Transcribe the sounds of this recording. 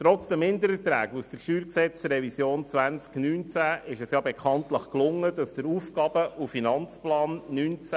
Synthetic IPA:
t̪ɾɔt͡sd̥əmhɪnd̪əɾət̪ɾæ̰ːɡusd̥əɾʃyːɾksɛt͡srɛvisjoːnt͡sʋænt͡sknyːnt͡sæʔɪʃɛsjɑːbɛkʰχɑnt̪ləχklʊŋːəd̥ɑsd̥əɾuːfɡ̥ɑːb̥əʔufinɑnt͡splɑːnnyːnt͡sæ

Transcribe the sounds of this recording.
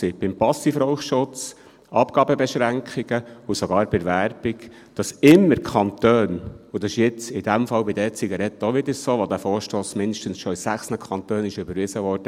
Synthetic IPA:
ɪb̥ɪmpɑsifɾɔʊχʃʊt͡s | ɑpɡ̥ɑːbəbɛʃɾæŋkχiɡ̥əusoɡɑːɾb̥ɛɾʋæɾb̥ɪk | d̥ɑsɪmːəɾkχɑnt̪øːnud̥ɑsɪʃjɪt͡sɪd̥̪æmfɑwbɪdɛt͡siɡɑɾɛt̪ːoʋɪd̪əɾsoːʋɔd̪æfɔːɾʃtoːsmɪnd̪ɪʃtənsʃɔɪsæχsnəkʰɑnt̪øːnɪʃʏbəɾʋɪzəʋɔːɾd̥ə

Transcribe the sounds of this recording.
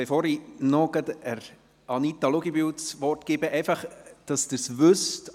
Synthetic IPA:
efoːɾinɔɡ̥əd̪əɾ | ɑnit̪ɑluɡibywt͡sʋɔrtkɪbəʔɛɪfɑχd̥ɑsd̥̪ɪsʋʏst

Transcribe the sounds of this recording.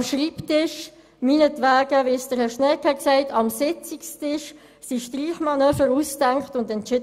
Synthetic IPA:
mʃriːptɪʃ | minətʋæːɡəʋɪsdəɾhɛʃnɛkhɛksæɪtʰɑmsɪt͡sikstɪʃ | siʃtriːχmɑnœːfəɾuːstæŋkχtʊndɛnt͡ʃɪ

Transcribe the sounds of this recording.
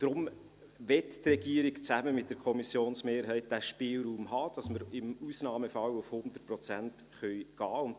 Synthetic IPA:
d̥ɾʊm | ʋɛttrɛɡiəɾɪkt͡sæməmɪt̚ːd̥əɾkʰɔmisjoːnsmeːɾɦɛɪt̚d̥æʃpɪːlɾuːmhɑːd̥ɑsməɾɪmusnɑːməfɑwʊfhʊnd̪̥ərt̚pɾɔt͡sænt | χœʏɡ̥ɑːʊn

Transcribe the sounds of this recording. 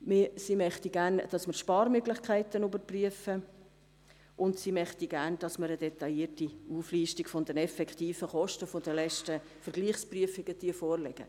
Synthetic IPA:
mɪsimœχtiɡæːɾnd̥ɑsməɾʃpɑːɾmøɡlɪχkʰæɪt̪ənubəɾpryəfə | ʔʊndsimœχtiɡæɾnd̥ɑsməɾəd̥ɛt̪ɑjiːətiuːfliːʃtikfɔnd̪ɛnɛfɛkχt̪iːfəχɔʃtəfod̥̪əlɛʃtə | fəɾɡ̥liːχspryəfɪɡ̥əd̥̪iəfɔːrlɛ̰ɡ̥ə̰

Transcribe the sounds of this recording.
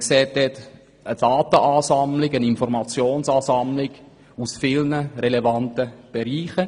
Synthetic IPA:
ksɛːt̚dɛt | əd̥ɑːtəʔaːsɑmlɪɡəninfɔɾmɑt͡sjoːnsɑːsɑmlɪɡ | usfɪlnəɾelevɑntəb̥eɾiːχə

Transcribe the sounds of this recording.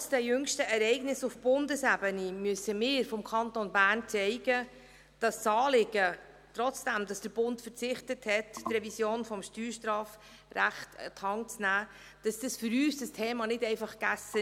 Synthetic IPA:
sd̥ɛjʏŋʃtəɛɾɛɪɡnɪsʊfb̥ʊndəsæbənimyəsəmɪːɾfɔmkʰɑntonbæːɾnt͡sɛɪɡ̥ə | d̥ɑssɑːlɪɡə | trɔt͡sd̥æmdɑsd̥əɾb̥ʊntfəɾt͡sɪχtəthɛttrɛvisjoːnfɔmʃtyːɾʃtrɑːf | ræχtə̰tʰhɑŋt͡snæː | d̥ɑsd̥ɑsfʏɾyːsd̥ɑstʰeːmɑnɪdɛɪfɑχɡ̥æsə

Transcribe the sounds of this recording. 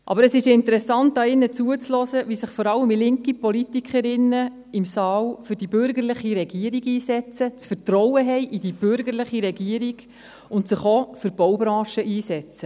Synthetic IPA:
ʔɑ̰bəɾəsɪʃɪnt̪əɾɛsɑnt̚d̥ɑːɪnːət͡suət͡slɔsəʋisɪχfɔɾɑləmilɪŋkipɔlit̪ikχəɾɪnːə | ɪmsɑːlfʏɾd̥ibʏɾɡəɾlɪχiɾɛɡiəɾiɡiːsɛt͡sət͡sfətrɔwəɦɛɪʔidib̥ʏɾɡəɾlɪχiɾɛɡiəɾiɡ̥ | ʊntsɪχofʏɾb̥ɔwbɾɑ̃ːʃəʔiːsɛt͡sə

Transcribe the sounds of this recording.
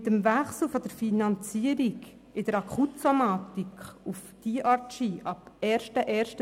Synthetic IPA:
təmvæχsl̩fɔd̥əɾfinɑnt͡siːəɾik | ɪdəɾɑkʰutsomaːt̪ikufd̥iʔɑɾtʃiʔɑpɛːɾʃtəʔɛːɾʃtə

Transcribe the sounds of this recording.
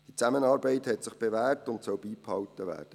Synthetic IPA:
d̥it͡sæmənɑːɾbɛɪthɛtsɪχb̥evæːrtʊntsœlbiːphɑwtːəʋæ̰ːrd̥ə

